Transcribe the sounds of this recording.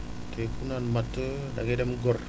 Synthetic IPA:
tekunanmatə | da̰ɡedɛmɡɔr

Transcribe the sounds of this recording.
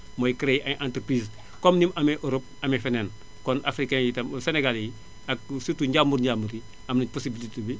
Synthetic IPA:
moːjikəɾejiʔaʔãntɾpɾiːz | komnimameʔoɾop̚amefenen | konʔa̰fɾikajitamseneɡalji | ak̚sutuɲɟamuɾɲamuɾi | amnit̚posibilitibi

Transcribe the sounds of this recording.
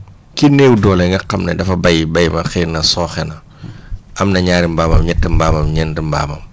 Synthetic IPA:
kinɛːwudɔːlɛŋɡɐqɐmnɐdɐfɐbɐjbɐjmɐxinɐsɔːxɛnɐ | ʔɐmnɐɲaːɾimbaːmɐ̰mɲɛtːəmbaːmɐmɲɛndəmba̰ːmɐm

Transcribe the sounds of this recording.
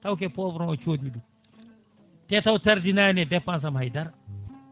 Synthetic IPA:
tawkɛpɔvɾɔ̃t͡ʃoːdidu | tɛtawtɐɾdinajnɛdɛpːans̬amhajdaɾ

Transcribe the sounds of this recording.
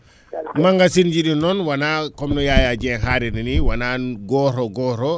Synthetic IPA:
maŋɡasind͡ʒiɗinɔnwanakɔmnɔjajad͡ʒɛnɦaɾɛniniwananɡɔɾɔɡɔɾɔ

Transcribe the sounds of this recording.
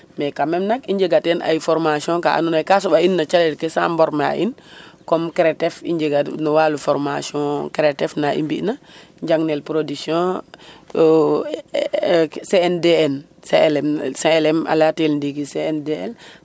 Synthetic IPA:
mɛkamɛmnakiɲɟeɡatɛna̰jfɔɾmasiɔ̃ka̰a̰nunakasuɓainːat͡ʃalɛtkesa̰mbɔɾma̰ʔinkɔmkɾetɛfḭɲɟeɡanuwalufɔɾmasiɔ̃kɾetɛfnaʔḭmbḭʔna | ɲd͡ʒaŋnelpɾodiksiɔ̃ | seɛndeɛn | selɛmsẽlɛma̰latelndikiseendeɛ̰l

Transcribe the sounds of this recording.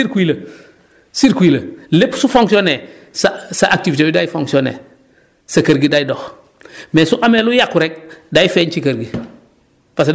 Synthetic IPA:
iɾkʷilə | siɾkuiləlepsufoŋksione | sasaʔak̚tifitewidajfoŋksionḛ | sakɐɾɡidajidox | mɛsuʔamelujakːuɾɛk̚dajfɛnt͡ʃikɐɾɡi | pas̬e

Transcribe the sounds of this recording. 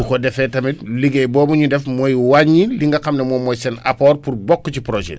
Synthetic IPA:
ukɔdɛfɛtɐmitliɡɛjbɔːbuɲudɛfmɔːjwaɲiliŋɡɐxɐmnɛmɔːmɔjsɛna̰pɔːrpurbɔkːcipɾoʒɛ̰

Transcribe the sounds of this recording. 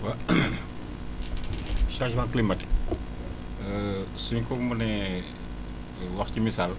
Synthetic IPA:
wɐ | ʃaʃbaŋklimɐt | suɲkɔmunɛ | wɐxcimisal

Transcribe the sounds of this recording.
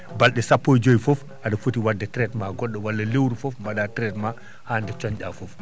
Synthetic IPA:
balɗɛsapːojd͡ʒojfɔf | ʔaɗafutiwadːɛtɾɛtmaɡɔɗːɔwalːalewɾufɔfmaɗatɾɛtma | haːndɛt͡ʃɔɲɗafɔf

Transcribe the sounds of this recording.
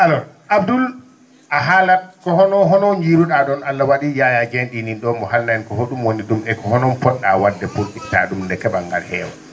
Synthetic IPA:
ʔalɔ | ʔabdul | ʔaɦalat̚kɔhɔnɔɦɔnɔnd͡ʒiɾuɗaɗɔnalːawaɗijajad͡ʒenɗininɗɔmɔhalnaɛnkɔɦoɗumwoniɗumɛkɔhɔnɔnfɔɗːawadːɛpoltita̰ɗumndɛkɛɓaŋɡalhɛːwa

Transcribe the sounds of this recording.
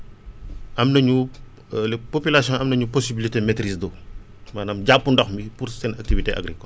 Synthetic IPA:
ʔɐmnɐɲu | lpopylasjɔ̃ɐmnɐɲuposibilitemetɾisdo | maːnamɟapːundɔxmipuɾsɛnɐk̚tiviteʔa̰ɡɾikɔl

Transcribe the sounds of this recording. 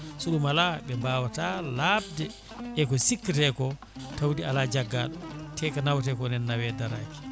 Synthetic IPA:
suɗumalaɓɛmbaːwatalab̚dɛ | ɛkɔsikːitɛkɔ | tawdialad͡ʒaɡːa̰ltʰɛkanawtɛkɔnɛnːawɛdaɾa̰ki̥

